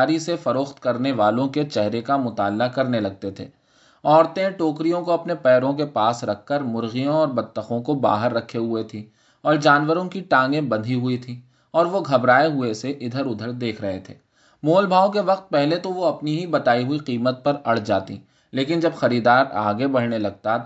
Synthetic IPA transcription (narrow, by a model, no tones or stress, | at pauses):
ɾisefɐɾoːxt̪kɐɾneʋaːlõket͡ʃɛɦɾekamʊt̪aːlːakɐɾnelɐɡ̚t̪et̪ʰḛː | ɔːɾt̪ẽʈoːkɾijõkoɐpnepɛːɾõkepaːsɾɐkʰːəɾmʊɾɣijõɔːɾbɐt̪ːəxõkoba̰ːɦəɾːɐkʰːeɦʊet̪ʰĩ | ɔːɾd͡ʒaːnʋəɾõkiʈãːŋɡẽbɐ̃nd̪ʱiɦʊit̪ʰĩː | ɔːɾʋoɡʱɐbɾaːeɦʊeseʔɪd̪ʱəɾʊd̪ʱəɾd̪eːkʰɾɐɦet̪ʰḛː | moːlbʱaːõk̬eʋɐq̚t̪̚pɛɦlet̪oʋoɐpniɦibɐt̪aːiɦʊiqiːmət̪̚pɐɾɐɽ̤d͡ʒaːt̪ḭ | leːkɪnd͡ʒɐbxɐɾiːd̪aːɾa̰ːɡebɐɽ̤nelɐɡ̚t̪a